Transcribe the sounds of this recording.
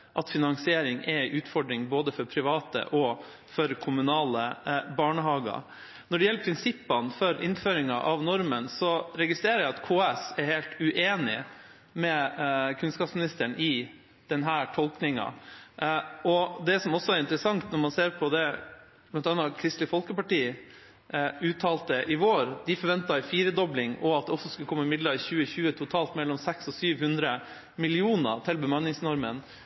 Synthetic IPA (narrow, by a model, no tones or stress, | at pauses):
ʔɑt̪fɪnɑŋsɪeːɾɪŋɛʔʉːt̪fɔɖɾɪŋboːd̪əfɔɾpʰɾɪʋɑːt̪ə̰ʔɔ | fɔɾkʰʊmʉnɑːləbɑːɳəɦɑːɡɑ̰ | nɔɖɛjɛlːəɾpʰɾɪnsɪpːɑnfɔɾʔɪnføːɾɪŋɑʔɑʋnɔɾmənsɔɾɛɡɪst̪ɾeːɾəjæɪɑt̪kʰoːɛsɛɾheːlt̪ʉʔeːnɪ | mɛkʰʉnskɑːpsmɪnɪst̪əɳʔɪ | d̪̥ɛnɦæːʈʰɔlˠknɪŋɑ̰ | ɔd̪ɛsɔmɔsːɔɛɾɪnt̪ɾəsɑŋt̪nɔɾmɑnseːɾpʰɔd̪ɛ | pʰlɑnt̪ʰɑnːɑkʰɾɪst̪lɪfɔlkəpɑʈiː | ʉːt̪ʰɑːlt̪əʔɪʋoːɾd̪ɪfɔɾʋɛnt̪ɑɪfiːɾəd̪ɔblɪŋɔɑt̪̚d̪ɛɔsːɔskʉkʰɔmːəɪmɪd̪lɑɪçʉːəçʉːət̪ʰʊt̪ʰɑːlt̪mɛlːɔmsɛksɔsyːʋhʉnd̪ɾə | mɪlɪuːnə̰t̪ʰɪlbəmɑnːɪŋsnɔɾmən